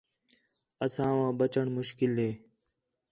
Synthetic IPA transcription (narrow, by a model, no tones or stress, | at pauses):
əsãːʋãːɓət͡ʃəɳmʊʃkɪlɦeː